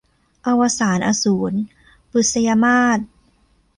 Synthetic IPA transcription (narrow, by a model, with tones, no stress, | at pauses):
ʔa˧wa˧saː˩˦nʔa˧suː˩˦n | pu˨˩sa˧jaː˧maː˥˩t̪̚